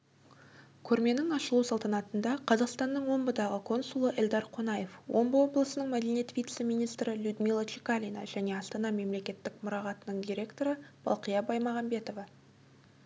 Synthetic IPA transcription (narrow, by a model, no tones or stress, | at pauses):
kʲʰɵɾme̞nɪŋɑʃəlˠusɑlˠt̪ɑnɑt̪ənd̪ɑqʰɑzɑqst̪ɑnːəɴwo̞mbəd̪ɑʁəkʰo̞nsulˠəʔɪld̪ɑɾqʰo̞nɑje̞fwo̞̰mbəwo̞blˠəsənəɴmæd̪e̞nijet̪vʲijt̪se̞mʲijnijst̪ɾɪlʲud̪milˠat͡ʃikalʲijna̰ʒæne̞ɑst̪ɑnɑme̞mle̞kʲe̞t̪ːɪkmʊɾɑʁɑt̪ənəɴd̪ʲiɾʲe̞kt̪o̞ɾəb̥ɑ̰lˠqəjɑbɑjmɑʁɑmbe̞t̪o̞vɑ